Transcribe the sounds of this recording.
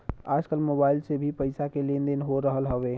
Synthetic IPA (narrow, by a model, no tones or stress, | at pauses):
a̰d͡ʒkəlmobailsebʱipəɪsakelend̪enɦoɾəɦəlɦəʋe